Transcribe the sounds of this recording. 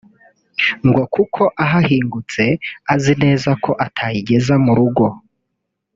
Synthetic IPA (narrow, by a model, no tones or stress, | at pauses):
ŋɡo̞kukʰo̞ʔaɦahiːŋɡut͡se̞azine̞ːzakʰo̞ʔatʰajiɟe̞zamuɾuɡo̞